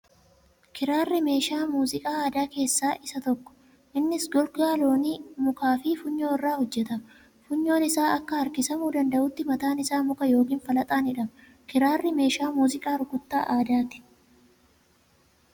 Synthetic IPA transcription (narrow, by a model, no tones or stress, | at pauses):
kɪɾaːrːɪme̞ːʃaːmuːzɪkʼaːaːd̪aːke̞ːsːaːʔɪsɐt̪ɔkːɔ̥ | ʔɪnːɪsɡɔlɡaːlo̞ːniːmʊkaːfiːfʊɲːo̞ːɪrːaːhɔd͡ʒːɛt̪ɐm | fʊɲːo̞ːnɪsaːʔɐkːɐhɐɾkɪsɐmuːd̪ɐnd̪ɐʔʊt̪ːɪmɐt̪aːnɪsaːmʊkɐjo̞ːkiːnfɐlɐt̪ʼaːnɪᶑɐmɐ | kɪɾaːrːɪme̞ːʃaːmuːzɪkʼaːɾʊkʊt̪ːa̰ːʔaːd̪aːt̪ɪ̥